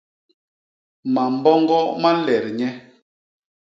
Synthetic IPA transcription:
ma˨m̩˦bɔ˦ŋɡɔ˦ma˦lɛ˨ɾɲɛ˦

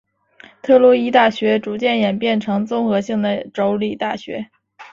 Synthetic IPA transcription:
t̪ʰɤ˥˩lɔ˥i˥t̪a˥˩ɕɥɛ˧˥ʈ͡ʂu˧˥t͡ɕjɛ˥˩njɛ˨˩npjɛ˥˩nʈ͡ʂʰɤ˧˥ŋt͡sʊ˥ŋxɤ˧˥ɕi˥˩ŋd̪ə˩ʈ͡ʂo˧˥ʊli˨˩t̪a˥˩ɕɥɛ̰˧˥

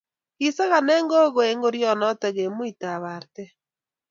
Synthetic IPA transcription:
ɣi˨sa˦ɣa˨nɛ˦ŋɡo˦ɣo˨e˨˦ŋɡo˦ɾjɔ˨nɔ˦tɛ˨ɣe˨mwi˨ta˨βa˨ɾtɛ˦

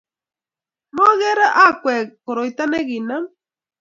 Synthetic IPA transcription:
mo˦ɣe˦ɾa˦ʔa˦kʷe˨ko˨ɾojt̪a˦ne˦ɡinam

